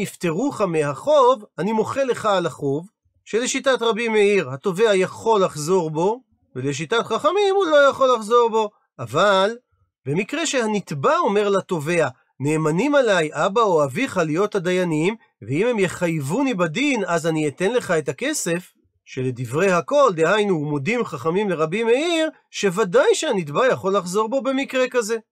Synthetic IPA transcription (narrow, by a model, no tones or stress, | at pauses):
ift̪e̞ʁuχameɦaχo̞vanimo̞χe̞le̞χaːlaχo̞v | ʃe̞le̞ʃitatʁabimeiʁhato̞ve̞ajaχo̞laχzo̞ʁbo̞ | veleʃ̬itatχaχamimulo̞jaχo̞laχzo̞ʁbo̞ | aval | be̞mikʁe̞ʃe̞hanit̪bao̞me̞ʁlato̞ve̞a | ne̞ːmanimalajʔabaoaviχalijo̞thad̪ajanim | veimhemje̞χajvunibadinazaniet̪e̞nle̞χae̞take̞se̞f | ʃe̞le̞divʁe̞jhako̞ld̪ehajnumo̞dimχaχamimleʁabimeiʁ | ʃe̞vadajʃeanit̪̬bajaχo̞laχzo̞ʁbo̞be̞mikʁe̞kaze̞